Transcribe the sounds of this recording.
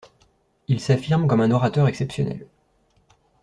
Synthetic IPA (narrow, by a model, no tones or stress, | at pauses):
ilsafiʁmkɔmɛ̃nɔʁat̪œʁɛksɛpsjɔ̰nɛ̰l